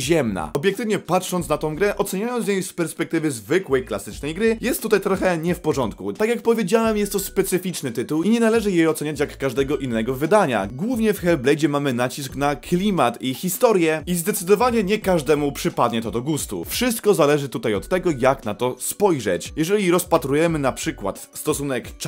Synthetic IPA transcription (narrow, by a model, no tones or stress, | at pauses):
ʑɛmna̰ɔbʲjɛkt̪ɘvɲɛpat̪ʂɔnt̪snat̪ɔ̃w̃ɡɾɛʔɔt̪sɛɲajɔnsɲejspɛɾspɛk̚t̪ɘvɘzvɘkwɛjklasɘt͡ʂnɛjɡɾɘjɛst̪ːut̪ajt̪ɾɔxɛɲɛfpɔʐɔnt̪kṵt̪akʲjakpɔvʲjed͡ʑawɛmjɛst̪ːɔspɛt̪sɘfʲit͡ʂnɘt̪ɘt̪uwiɲɛnalɛʐɘjɛɔt̪sɛɲat͡ɕjakːaʐd̪ɛɡɔʔinːɛɡɔvɘd̪aɲa̰ɡwuvɲɛfxɛlblɛjd͡ʑɛmamɘnat͡ɕisknaklʲimat̪ixʲist̪ɔɾjɛizd̪ɛt̪sɘd̪ɔvaɲɛɲɛkaʐd̪ɛmupʂɘpad̪ɲɛt̪ɔd̪ɔɡust̪ṵfʂɘs̬t̪kɔzalɛʐɘt̪ut̪ajɔt̪ːɛɡɔjaknat̪ɔspɔjʐɛ̰t͡ɕjɛʐɛlʲiɾɔspat̪ɾujɛmɘnapʂɘkwa̰t̪st̪ɔsunɛk